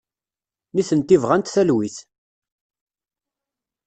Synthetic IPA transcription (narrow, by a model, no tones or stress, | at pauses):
niθənt̪ivʁænt̪θælwiθ